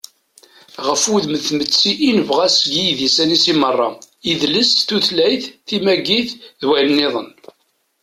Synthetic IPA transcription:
ʁəfwuðməθmət͡sːiʔːnəvʁæsɡijðjisænisimərˤːɑ | iðləsθuθlæjθθimæɡiθðwælənːɪðˤən

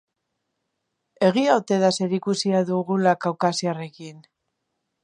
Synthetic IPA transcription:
e̞ɣ̞iaot̪e̞ðase̞ɾikusiaðuɣulakawkasiare̞kin

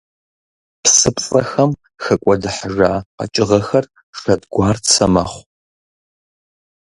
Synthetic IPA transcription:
psɨpʼt͡sʼɐ̰xɐm | xɐkʷʼɔdɨħʒaːqɐ̰t͡ʃʼɪʁɐxɐr | ʂɐdɡʷɑːrt͡sʰɐmɐ̰ːχʷ

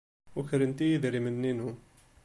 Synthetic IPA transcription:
wəkəɾənt̪ijəðɾimənːinu

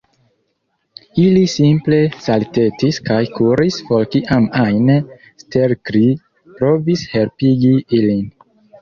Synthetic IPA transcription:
ilisimple̞salte̞tiskajkʰuɾisfo̞lkiʔamajne | steɾkɾi | pɾo̞vishe̞lpiɡiilin

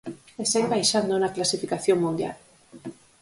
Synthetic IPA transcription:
eseɣβajʃand̪onaklasifikaθjoŋmũnd̪ja̰l

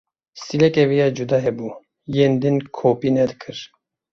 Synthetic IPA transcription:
silɛkɛvijad͡ʒud̪ɑɦɛbu | jeːnd̪ɨnkʰoːpinɛd̪ɨkʰɨɾ

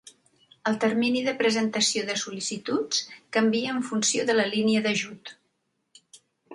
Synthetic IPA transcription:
əlˠt̪ərminiðəpɾəzənt̪əsioðəsulisit̪ut͡skəmbiəːɱfunsioðələliniəðəʒut̪

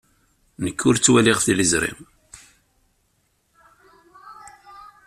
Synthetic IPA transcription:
nəkːʊɾt͡sːwæliʁθiləzɾḭm

